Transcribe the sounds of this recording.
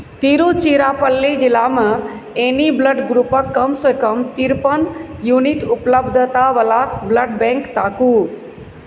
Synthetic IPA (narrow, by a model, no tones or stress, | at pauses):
t̪iɾut͡ʃiɾapəlːid͡ʒilamə | enibləɖɡɾupəkːəmsəkəmt̪iɾpənjuniʈupləbd̪ʱət̪aʋəlabləɖbẽŋkt̪aku